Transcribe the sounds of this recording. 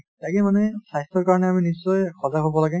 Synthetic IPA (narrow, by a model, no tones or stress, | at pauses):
takemanɛsajstʰɔɹkaɹɔnɛaminisːɔjxɔzaɦobɔlaɡɛ